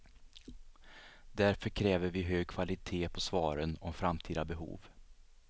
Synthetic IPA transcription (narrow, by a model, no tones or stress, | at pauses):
d̪æɾfœɾkʰɾɛːvəɾvɪɦøːɡ̚kʰv̥alɪt̪ʰeːpʰɔsvɑːɾənɔmfɾamt̪ʰiːd̪abɛɦṵːv